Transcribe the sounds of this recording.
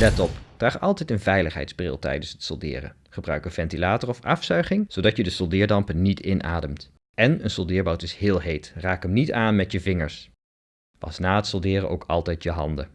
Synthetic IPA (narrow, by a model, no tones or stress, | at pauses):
lɛtɔpd̥raːχɑlˠtɛjtənvɛjləχɦɛ̰jtdzbrɪ̰lˠtɛ̰jdənsɦətsɔ̰lˠdɪ̰ːrə̰ | χəbrœɥkənv̥ɛntilaːtərɔfɑfsœɥχɪŋz̥owdɑtjədəsɔlˠdɪːɹdɑmpənnitʰɪnʔa̰ːdəmt | ɛnənsɔlˠdɪːɹbɑwtɪsɦɪːlˠɦejtraːkəmnitaːnmɛtjəvɪŋəɹs | pɑ̰snaːɦətsolˠdɪːrə̰ʔo̰wkɑ̰lˠtɛjtjəɦɑ̰ndə